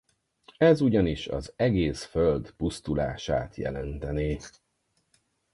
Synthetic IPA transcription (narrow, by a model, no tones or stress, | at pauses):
ɛzuɟɒniʃɒ̰zɛɡeːsføld̪pust̪ula̰ːʃa̰ːt̪jɛ̰lɛnt̪ɛneː